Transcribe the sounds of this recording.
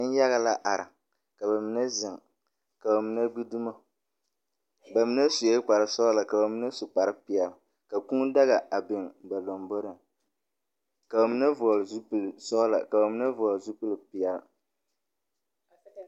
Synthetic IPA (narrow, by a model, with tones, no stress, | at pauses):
ɨ˦n˦ja˦ɣa˨la˦ʔa˨ɾɨ̰˨ | ka˨ba˨mi˨˦nɛ˦zɪ˨ŋ | ka˨ba˨mi˦nɛ˦ɡ͡bi˦du˦ma˦ | ba˨mi˦nɛ˦su˨je˦k͡pa˨ɾɨ˨sɔ˦la˨ka˨ba˨mi˦na˦su˨k͡pa˨ɾɨ˦pɪ˨ɛ˨l | ka˨ku˦ŋ˦da˦ɣa˨ʔa˨bɪ˨ŋba˨lo˨mbo˦ɾɨ˨ŋ | ka˨ba˨mi˦na˦vɔ˨lzu˦psɔ˦la̰˨ka˨ba˨mi˦na˦vɔ˨ɔ˨lzu˦pɨ˦lpi˨ɛ˨l